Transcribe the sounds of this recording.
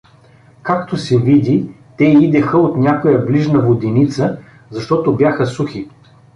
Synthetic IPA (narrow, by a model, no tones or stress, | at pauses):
kakt̪osɛvid̪ʲi | t̪ɛid̪ɛxəot̪nʲakojəbliʒnəvod̪init̪sə | zɐʃt̪ɔt̪objaxəsuxi